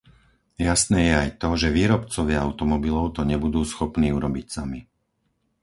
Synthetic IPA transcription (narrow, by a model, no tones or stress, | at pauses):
jasnɛːjɛajt̪ɔʒɛʋiːɾɔpt͡sɔʋɪaaʊt̪ɔmɔbilɔʊt̪ɔɲɛbud̪uːsxɔpniːuɾɔbicsami